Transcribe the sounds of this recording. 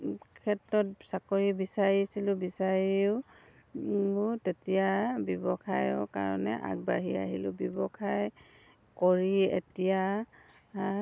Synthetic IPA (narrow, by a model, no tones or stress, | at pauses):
kʰɛtɹɔt̚sakɔɹibisaɹisilʊ̃bisaɹiʊ | ʊtetijabɔbɔkʰajɔka̰ɹɔnɛ̰ʔa̰k̚baɦia̰ɦilʊ̰bɔbɔkʰaj | kɔɹiḛtija